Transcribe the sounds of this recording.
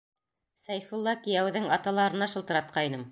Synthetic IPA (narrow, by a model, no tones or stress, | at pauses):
sæjfulˠːɑkijæwðɘŋɑt̪ɑlˠɑɾɤ̆nɑʃɤ̆lˠt̪ɤ̆ɾɑt̪̚qɑjnɤm